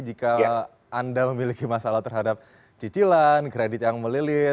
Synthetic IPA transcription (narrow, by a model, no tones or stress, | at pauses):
d͡ʒikaː | ndaməmilikimasalaht̪ərɦadap̚ | t͡ʃit͡ʃilankɾedɪt̪̚jaŋməlilɪ